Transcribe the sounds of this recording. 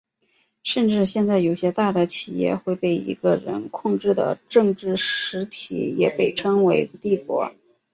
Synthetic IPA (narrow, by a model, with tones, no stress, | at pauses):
ʂə˥˧nʈ͡ʂɻ̩˥˧ɕjɛ˥˧nt͡sa˥˩ɪjo˨˩ʊɕjɛ˥t̪a˥˩d̪ə˩t͡ɕʰi˨˩jɛ̰˥˧xwe˥˧ɪpe˥˩ɪḭ˧˥ɡə˧ɻə̰˧˥nkʰʊ˥˧ŋʈ͡ʂɻ̩˥˩d̪ə̰˩ʈ͡ʂɤ˥˧ŋʈ͡ʂɻ̩˥˩ʂɻ̩˧˥t̪ʰḭ˧˥jɛ̰˨˩pe˥˩ɪʈ͡ʂʰɤ˥ŋwe˧˥ɪ˧t̪i˥˩kwɔ̰˧˥